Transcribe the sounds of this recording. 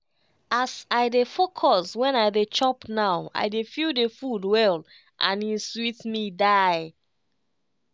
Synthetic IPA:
asaɪdefokʰɔswɛ̃naɪdet͡ʃɔpnaʊa̰ɪdefildefudwɛl | ʔã̰nĩswitmidaɪ

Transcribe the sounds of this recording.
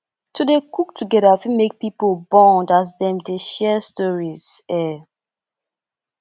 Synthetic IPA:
tʰudekuktʰuɡɛɾafimek̚pipolbɔ̃ndaz̬dɛ̃mdeʃɛstɔɹizɛ

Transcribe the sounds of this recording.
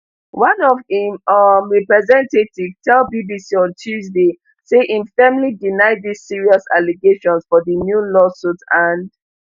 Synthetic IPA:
wãnɔvĩmmɹɛpɹɛzɛ̃ntetivtʰɛlbibisiɔ̃ntʰjuzde | seʔĩnfɛmlidinaɪdisːiɹiɔsa̰liɡeʃɔ̃nsfɔðənjulɔsutãnd

